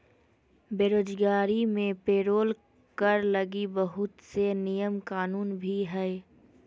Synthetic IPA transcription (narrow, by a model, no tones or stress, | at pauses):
beːɾoːd͡ʒɡaːɾimẽpeːɾoːl | kəɾləɡibəɦʊt̪senijəmkaːnuːnbʱiɦɛ